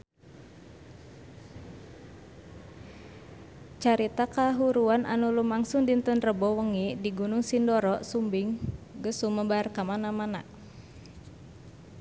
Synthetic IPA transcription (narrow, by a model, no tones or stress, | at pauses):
t͡ʃaɾit̪akaɦuɾuanʔa̰nulumaŋsʊŋdint̪ənrəbɔwəŋidiɡunʊŋsindɔɾɔʔsumbiŋɡəsuməbarkamanamana̰ʔ